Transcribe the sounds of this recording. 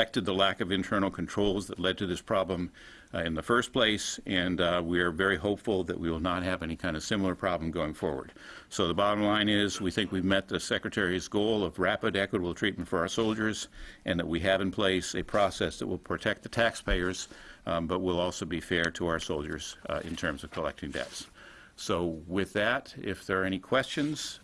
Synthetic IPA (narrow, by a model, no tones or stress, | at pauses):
ɛk̚tɨd̪̚ðəlækʌvɨ̃ntʰɜ̃˞nl̩ˠkʰn̩tʰɹ̥oʊlˠzðətˡlɛd̚tʰɨðɪspʰɹ̥ɑblə̃m | ɪ̃nðəfɜ˞spʰl̥eɪsɨ̃nwiə˞vɛɹiɦoʊpfl̩ˠðɨ̰ʔwiwəlˠnət̚ɦɨvɛnikʰãɪ̃ndəv̥sɪ̃ml̩ˠə˞pʰɹ̥ɑblm̩ɡoʊɪ̃ŋfɔ̰ɹwə̰˞d̥ | soʊðəbɑɾə̃mlãɪ̃nɪzwiθɪ̃ŋkwivmɛt̪̚ðɨsɛkɹɨtʰɛɹizɡoʊlˠʌvɹæpɨɾɛkwəɾəbl̩ˠtʰɹ̥it̚mn̩tfə˞aʊə˞soʊlˠd͡ʒə˞zʔɨ̃nðəʔ̚wiɨvɨ̃npʰl̥eɪsɨpʰɹ̥ɔsɛsðɨ̰ʔ̚wəlˠpʰɹ̥ɨtʰɛk̚t̪̚ðɨtʰækspʰeɪə˞z̥bʌt̚wɪlˠɔlˠsoʊbifɛɹɾəaʊə˞soʊlˠd͡ʒə̰˞z̥ɪ̰̃ntʰɜ̃˞mzʌv̥kʰəlɛ̰k̚tɪ̃ŋdɛ̰ts | soʊwɪðɨɾɪ̰fðə˞ɛnikʰw̥ɛst͡ʃɨ̃nz̥